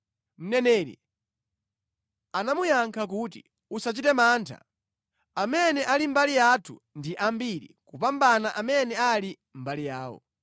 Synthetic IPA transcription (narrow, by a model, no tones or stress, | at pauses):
m̩nɛnɛːɾḭ | anamujaŋkʰak̬uːti | usat͡ʃitɛmaːntʰa̰ | amɛnɛʔalim̩balijatʰṵndiʔambiɾḭkupambanaʔamɛnɛali | m̩balijaːwɔ̰